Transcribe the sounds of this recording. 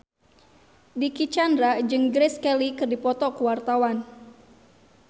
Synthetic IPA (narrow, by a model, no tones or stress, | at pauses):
dikit͡ʃandɾad͡ʒɨŋɡɾeskɛlikɨrdipɔt̪ɔkəwart̪awan